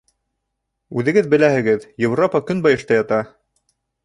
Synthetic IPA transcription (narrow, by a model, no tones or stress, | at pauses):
ʉðɘ̆ɡɘðbɘ̆læhɘ̆ɡɘðjewropɑkɵnbɑjɤ̆ʃt̪ɑjɑt̪ɑ